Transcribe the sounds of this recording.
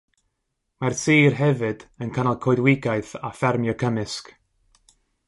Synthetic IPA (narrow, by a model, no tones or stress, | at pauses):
marsʰiːrɦɛvɨd̥ənkʰanalˠkʰɔɨdwɪɡajθafɛrmjɔkʰəmɨsk